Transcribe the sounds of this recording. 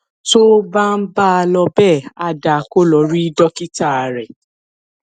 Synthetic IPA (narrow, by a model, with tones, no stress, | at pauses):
to˦ba˦n̩˦ba˦a˧lɔ˧bɛ˦˨a˧da˨ko˦lɔ˨˦ɾi˦dɔ˦ki˦ta˦˨a˨ɾɛ˨